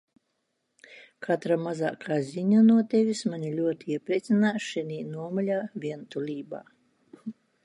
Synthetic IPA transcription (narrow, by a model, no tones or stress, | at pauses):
kʰat̪ɾamaza̰ːkʰaːzʲiɲanuɔt̪ʲɛvʲismaɲilʲuɔt̪iiɛpɾʲiɛt̪sinaːʃɛnʲiːnuɔmɔlʲaːvʲiɛnt̪ulʲiːba̰ː